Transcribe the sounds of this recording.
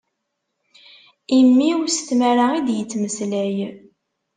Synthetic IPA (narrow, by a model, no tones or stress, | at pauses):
imːiust̪mæɾaid̪jət͡sːməslæj